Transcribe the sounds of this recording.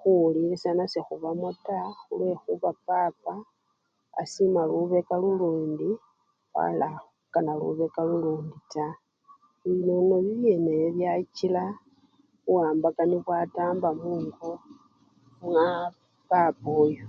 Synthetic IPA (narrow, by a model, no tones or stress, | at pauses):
xulilisanasexuβamotaxulwe̞xuβapapa̰ː | simaluβe̞kaluluːndi | βa̰la | kanalṵβe̞kaluluːndita | iinonoβijeneβjat͡ʃila | uwaːmbakaniβwataːmbamuːŋɡo | ma | papoːjo